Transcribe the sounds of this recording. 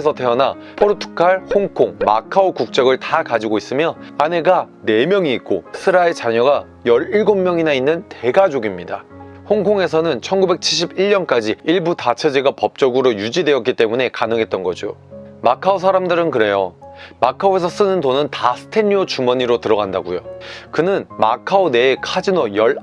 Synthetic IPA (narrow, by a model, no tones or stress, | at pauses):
sʰʌte̞ʌna | pʰoɾotʰu̥kʰaɭhoŋkʰoŋma̰kʰaokuk̚t͡ɕ͈ʌɡɯɭtakad͡ʑiɡois͈ɯmjʌane̞ɡa | ne̞mjʌŋiːk̚k͈osʰɯɾaet͡ɕaɲʌɡa | jʌɾiɭɡomːjʌŋinainːɯnte̞ɡad͡ʑoɡimɲida̰hoŋkʰoŋe̞sʰʌnɯnt͡ɕʰʌnɡube̞k̚t͡ɕʰiɭɕ̬ʰibiɭɲʌnk͈ad͡ʑiiɭbutat͡ɕʰed͡ʑeɡapʌp̚t͡ɕ͈ʌɡɯɾojud͡ʑidwe̞ʌt̚k͈it͈e̞mune̞kanɯŋɦe̞t̚t͈ʌnɡʌd͡ʑo̰makʰaos̬ʰaɾamdɯɾɯnkɯɾe̞jomakʰaoe̞s̬ʰʌs͈ɯnɯndonɯntasʰɯ̥tʰe̞ɲiot͡ɕumʌɲiɾotɯɾʌɡandaɡujokɯnɯnma̰kʰaone̞ːkʰad͡ʑinojʌɭ